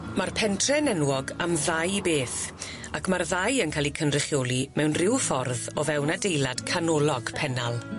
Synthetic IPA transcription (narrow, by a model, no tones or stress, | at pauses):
marpʰɛntʰrɛnɛnwɔɡamðajbeːθ | akʰmarðajənkʰaːlˠikʰənrɪχjoːlˠimɛwnrɪwfɔrðɔvɛwnadejlˠad̥kʰanɔlˠɔɡ̥pʰɛnalˠ